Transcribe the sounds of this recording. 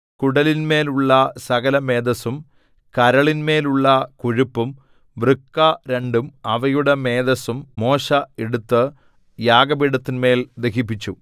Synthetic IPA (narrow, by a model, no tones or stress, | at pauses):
kuɽɐlinme̞ːluɭːɐsɐɣɐlɐme̞ːd̪ɐsum | kɐɾɐɭinme̞ːluɭːɐkuɻupːum | ʋrɨkːɐɾe̞ɳɖumɐʋɐjuɽeme̞ːd̪ɐsumːo̞ːʂɐeɽut̪ːɨ | jaːɡɐbiɽɐt̪ːinme̞ːld̪ekip̬ːit͡ɕːu